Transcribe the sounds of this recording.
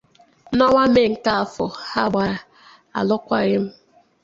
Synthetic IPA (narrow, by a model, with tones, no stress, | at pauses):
nɔ˦ŋa˦me˦˨ŋ̩˨ka˦a˨fʊ˨ha˦˨ɡ͡ba˦˨ | a̰˨lʊ˦kʷa˦ɣɪ˦m̩˦